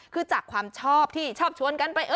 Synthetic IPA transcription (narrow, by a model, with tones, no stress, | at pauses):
kʰɯː˧t͡ɕaː˨˩kʰwaː˧mt͡ɕʰɔː˥˩p̚t̪ʰiː˥˩t͡ɕʰɔː˥˩p̚t͡ɕʰu˧ənka˧npa˧jʔɤː˧